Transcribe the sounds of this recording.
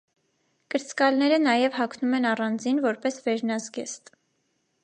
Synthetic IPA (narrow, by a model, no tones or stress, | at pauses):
kəɾt͡skɑlnɛɾənɑjɛvhɑkʰnumɛnɑrɑnd͡zinvɔɾpɛsvɛɾnɑzɡɛst̪